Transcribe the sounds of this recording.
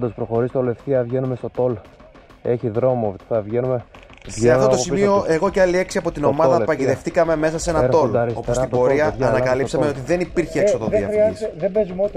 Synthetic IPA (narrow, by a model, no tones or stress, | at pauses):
d̪ospɾoxo̞ɾist̪olefθiɐvʝe̞numest̪o̞t̪o̞l | eçiðɾo̞mot̪iθɐvʝenume | vʝeɐft̪ot̪osimioʔe̞ɣoceɐlie̞ksiɐpo̞t̪ino̞mɐðɐpɐciðe̞ft̪ikɐme̞me̞sɐse̞nɐo̞lsopost̪ibbo̞ɾɾiɐːnɐkɐlisɐme̞o̞t̪iðe̞nipiɾçeːsot̪oviɐɾiɐsðebezumot̪